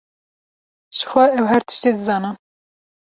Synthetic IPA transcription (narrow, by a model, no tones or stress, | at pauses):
ʒ̥ɨ̥xʷɛɛwhæɾt̪ʰɨ̥ʃt̪eːd̪ɨzɑːnɨm